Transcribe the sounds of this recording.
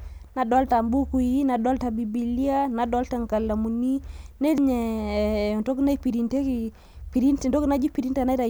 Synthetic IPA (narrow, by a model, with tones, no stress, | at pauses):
na˨dɔ˦lta˨mbu˦ku˨ji˦na˨dɔ˦lta˨bi˨bi˨li˦a˦na˨dɔ˦lta˦˨ŋka˨la˨mu˨ni˦ne˦ɾɲɛ˨ | nto˦kna˦i˦pi˨ɾi˨nte˦ki˨ | pi˨ɾi˦nti˨nto˦kna˦d͡ʒi˦pi˨ɾi˦nta˨na˦ɾa˨